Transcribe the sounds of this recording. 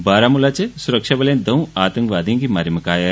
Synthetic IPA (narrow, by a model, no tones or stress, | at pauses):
baːɾaːmulaːt͡ʃesʊɾəkʃaʋɐlẽd̪ɐũaːt̪ɐ̃ŋkʋaːd̪ʱijõkimaːɾjimɐkaːja